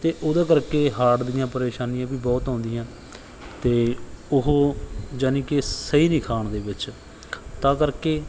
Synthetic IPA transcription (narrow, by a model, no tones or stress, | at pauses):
t̪eːʔʊːd̪ãːkəɾkeːɦaːʈd̪ɪjãːpəɾeːʃaːnijãːbiːbɔːt̪ɦõːnd̪ɪjãː | t̪eːʊɦoːd͡ʒaːnĩːkɪsəiːnɪkʰaːɳd̪eːbɪt͡ʃ | t̪ãːkəɾkeː